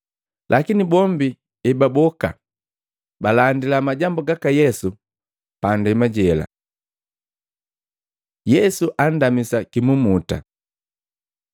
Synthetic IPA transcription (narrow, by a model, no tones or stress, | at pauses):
lʔakinibɔmbi | ɛbabɔka̰ | balandilamaɟambuɡakajɛsu | pandɛmaɟɛla̰ | jɛsuʔan̩damisakimumuta̰